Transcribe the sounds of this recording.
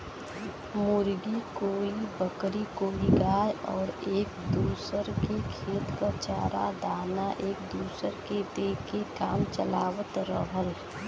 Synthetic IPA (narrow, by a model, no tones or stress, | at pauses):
mʊɾɡikoːibəkɾikoːiɡaːjɔːɾeːkd̪uːsəɾkekʰeːt̪kət͡ʃaːɾa̰d̪aːnaʔeːk̚d̪uːsəɾket̪ekekaːmt͡ʃəlaːwət̪ɾəɦəɾ